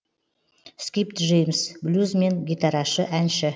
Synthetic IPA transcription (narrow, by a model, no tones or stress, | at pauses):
skʲipt̪ʒejmsblʲuzmenɡʲit̪aɾɑʃəʔænʃɪ